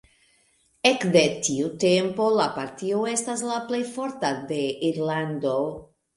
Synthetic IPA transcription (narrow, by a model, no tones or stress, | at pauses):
e̞kde̞tiute̞mpo̞lapaɾtioe̞staslaple̞jfo̞ɾtade̞iɾlando̞